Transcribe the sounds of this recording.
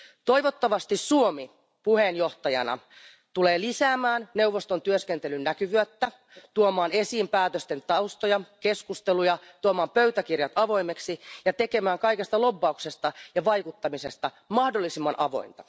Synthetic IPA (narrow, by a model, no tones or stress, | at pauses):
t̪o̞iʋot̪ːɑʋɑst̪issuomi | puheːnjoht̪ɑjɑ̰nɑ̰ | t̪uleːlisæːmæːnne̞uwʋːost̪ont̪yøskent̪elynnækyʋyøt̪ːæ | t̪uomɑːne̞siːmpæːt̪øst̪e̞nt̪ɑust̪ojɑke̞skust̪elujɑt̪uomɑːmpøyt̪æk̟irjɑt̪ɑʋo̞ime̞ksijɑt̪e̞ke̞mæːŋkɑjke̞st̪ɑlo̞bːɑuksest̪ɑjɑʋɑjkut̪ːɑmisest̪ɑ | mɑhdolːisimːɑnʔɑʋo̞̰int̪ɑ̥